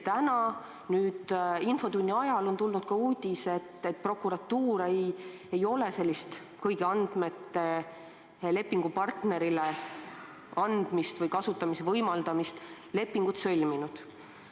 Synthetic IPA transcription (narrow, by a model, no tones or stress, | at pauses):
t̪ænɑ | nyːd̪̥info̞t̪unʲːiɑjɑlo̞nt̪ulnud̪̥kɑuːd̪̥ʲise̞t̪ːet̪̚pro̞kːˑuɾɑt̪ːuːɾej | e̞jo̞le̞se̞lʲːist̪ | kɤjɡ̥iɑnd̪̥me̞t̪ːe̞ | le̞pːiŋɡ̥upɑrt̪ne̞ɾile | ɑnd̪̥mist̪vɤjkɑsut̪ːˑɑmise̞vɤjmɑld̪̥ɑmist̪ | le̞pːiŋɡ̥ut̪sø̞lʲminud̪̥